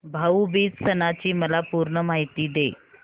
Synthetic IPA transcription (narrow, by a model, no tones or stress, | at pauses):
bʱaubiːd͡zsənat͡ɕiːməlapuːɾɳəmaɦit̪iːd̪e